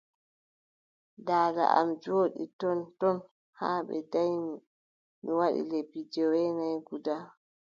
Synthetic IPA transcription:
daːda̰ʔa̰md͡ʒoːɗḭtɔntɔn | haːɓɛ̰dajmi | miwaɗḭlebid͡ʒɔwɛnajɡuda

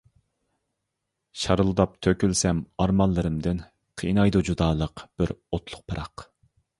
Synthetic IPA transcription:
ʃɑɾɨlˠɨd̪ɑp̚t̪ʰøkʲylsɛmɑɾmɑlˠːɨɾɨmd̪ɪn | qʰinɑjd̪ud͡ʒud̪ɑːlˠəqb̥ɪɾot̪ʰlˠʊq̚pʰɑɾʔɑq

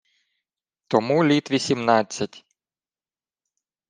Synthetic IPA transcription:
t̪ɔmulʲit̪ʋʲisʲimnɑt͡sʲːɐtʲ

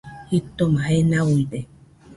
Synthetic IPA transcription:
hit̪ːomahenaunt̪e

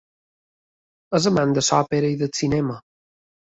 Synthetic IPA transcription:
əzəmand̪əsɔpeɾəiðət͡sinɛmə

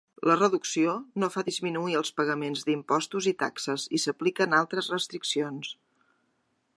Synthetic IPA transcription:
lərəðuksionofaðizminuiəlˠspəɣəmenzd̪impɔst̪uzit̪a̰ksəzisəplikənalˠt̪ɾəzrəst̪ɾiksions

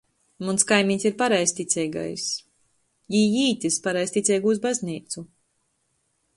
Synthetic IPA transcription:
munskajmʲiːɲʲsʲiɾpaɾajst̪ʲit̪sʲɛjɡa̰js | jijiːt̪ʲispaɾajst̪it̪sʲɛjɡuːzbazʲniːt̪su

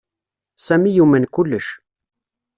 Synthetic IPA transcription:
sæmijumænkʊlːəʃ

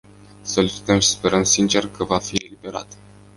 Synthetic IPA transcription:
solisi̥t̪əmʃi̥spe̞ɾəmsint͡ʃe̞rkəvafie̞libe̞ɾa̰t̪

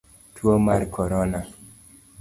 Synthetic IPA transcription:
tʰwomarkʰɔɾɔna

